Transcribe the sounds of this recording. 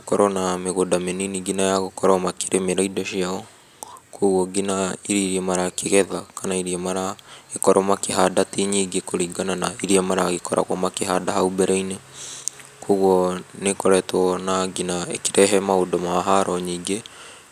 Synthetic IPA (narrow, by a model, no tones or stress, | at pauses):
kɔɾɔnameɣodameniniɡinajaɣokɔɾɔmake̥ɾʔemeɾaidɔʃiaɔ | koɣwɔɡinaiɾiɾiɛmaɾakeɣɛðakanaiɾiamaɾaekɔɾɔmakeɦadatiɲiɡekoɾiːɡananaiɾiamaɾaɣekɔɾa̰ɣwɔmakeɦadaɦaubɛɾɛine | koɣwɔnekoɾɛtwɔnaɡinaḛkiɾɛɦɛmaodɔmaɦaɾɔɲiːɡe